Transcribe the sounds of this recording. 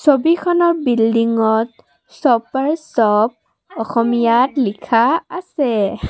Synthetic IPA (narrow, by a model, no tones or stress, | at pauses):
sobikʰɔnɔɹbildiŋɔt̚ | sɔpaɹsɔp̚ | ɔxɔmijatlikʰaasɛ